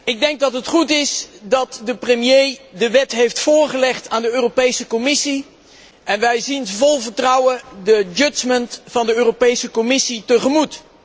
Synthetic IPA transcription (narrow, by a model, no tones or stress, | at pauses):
ɪɡ̚dɛŋɡ̚dɑtɦətχutɪsdɑtdəprəmjejdəʋɛtɦejftfʊːɹχəlɛχtaːndəøːropejsəkomɪsi | ɛnʋɛjzinvɔlˠvəɹtrʌwədəd͡ʒɵt͡ʃməntfɑndəøːropejsəkomɪsitəχəmut